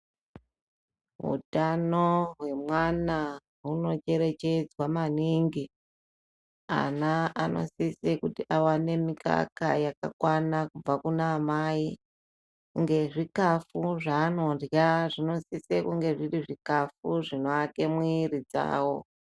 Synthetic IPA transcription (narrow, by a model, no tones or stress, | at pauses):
ɦṵtanoɦwe̞mwana | ɦuno̞t͡ʃe̞ɾe̞t͡ʃe̞d͡zwamaniːŋɡi | a̰naano̞̰sisekutiʔawane̞mika̰ka̰jaka̰kwanakub͡vakunaːmai | kuŋɡe̞ʐikafuʐaːno̞ndjaʐino̞sisekuŋɡe̞ʐiriʐikafuʐino̞ake̞mwiːrid͡za̰ːwo̞